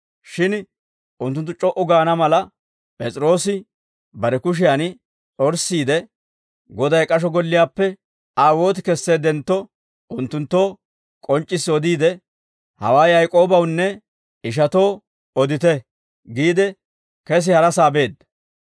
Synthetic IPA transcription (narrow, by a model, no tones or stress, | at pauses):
ʃɪn | ʊnt̪ːʊnt̪ːʊt͡ʃʼɔʔʊɡaːnɐmɐlɐ | pʼɛt͡sʼɾo̞ːsɪ | bɐɾɛkʊʃ̬ɪjan | ɔɾsːiːd̪ɛ | ɡɔd̪ɐjkʼɐʃ̬ɔɡɔlːɪjaːpːɛ | aːwo̞ːt̪̬ɪkɛsːe̞ːd̪ɛnt̪ːɔ | ʔʊnt̪ːʊnt̪ːo̞ː | kʼɔnt͡ʃʼːɪsːɔd̪iːd̪ɛ | hɐ̰waːjjɐjkʼo̞ːbɐwnːɛ | ɪʃ̬ɐt̪o̞ː | ɔd̪ɪt̪ɛ | ɡiːd̪ɛ | kɛs̬ɪhɐɾɐsaːbe̞ːd̪ːɐ